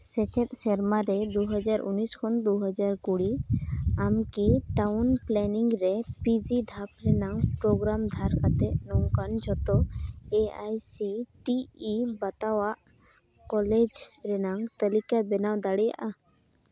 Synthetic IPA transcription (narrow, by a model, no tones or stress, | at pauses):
sɛkʰɛ̃t̪̚sɛɾmaɾɛd̪uɦəd͡ʒaɾuniskʰɔnd̪uɦəd͡ʒaɾkuɽi | amkiʈawnplɛniŋɾɛpid͡ʒid̪ʱap̚ɾɛnaŋpɾɔɡɾamd̪ʱaɾkat̪ɛʔnɔwkand͡ʒʱɔt̪ɔeajsiʈiːbat̪awaʔ | kɔled͡ʒɾɛnaŋt̪əlikabɛnawd̪aɽɛja̰ʔa